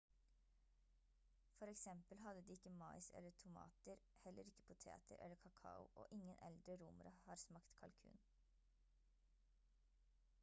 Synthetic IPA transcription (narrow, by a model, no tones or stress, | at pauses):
fɔɾɛksɛmpəlɦɑd̪əd̪iːɪkːəmɑɪsɛ̰lːətʰʊmɑ̰ːt̪əɾhɛlːəɾɪkːə̥pʰʊt̪ʰḛːt̪ʰə̰ɾʔɛ̰ləɾkʰɑkʰɑʊ̰ʔo̰ːʔɪŋːənʔɛ̰ld̪ɾəɾuːmɾɑhɑːɾsmɑkt̪kʰɑlkʰʉ̰ːn